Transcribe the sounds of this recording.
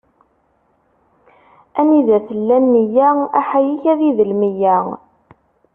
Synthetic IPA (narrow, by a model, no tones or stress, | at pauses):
æniðæθəlːænːəjææħajiçæðiðəlmijæ